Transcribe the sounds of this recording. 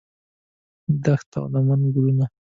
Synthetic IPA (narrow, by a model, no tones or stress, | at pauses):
d̪axt̪a̰wnamanɡɾuna